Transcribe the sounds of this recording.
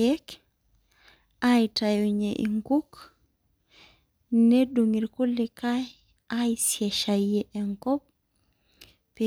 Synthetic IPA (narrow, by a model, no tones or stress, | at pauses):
ek | ʔajtajuɲeʔḭŋkuk | neduŋiɾkulːikaj | ʔajsiɛʃajɛʔɛŋkɔp̚ | pe